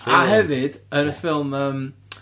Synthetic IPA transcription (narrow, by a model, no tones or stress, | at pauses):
aɦɛvɨd̥ənəfɪlˠməm